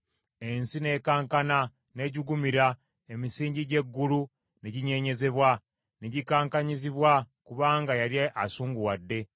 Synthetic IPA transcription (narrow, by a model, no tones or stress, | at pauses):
e̞nsine̞ːkaːŋkana | ne̞ɟiɡumiɾa | e̞misiːɲɟiɟe̞ɡːulu | neɟiɲe̞ːɲe̞ze̞βwa | neɟikaːŋkaɲiziβwakuβaːŋɡajaɾiaʔasuːŋɡuwadːe̞